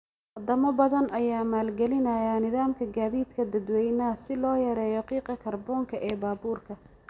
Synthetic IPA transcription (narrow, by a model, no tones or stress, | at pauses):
wɐd̪ɐmɔbɐðɐnʔɐjaːmaːlɡɛlɪnɐjaːnɪðaːmkʰɐɡaːðiːd̪kʰɐd̪ɐd̪wɛjnɐsɪlɔːjɐɾɛːjɔqiːqɐkʰɐrbɔːŋkʰɐʔɛːbaːbuːrkʰɐ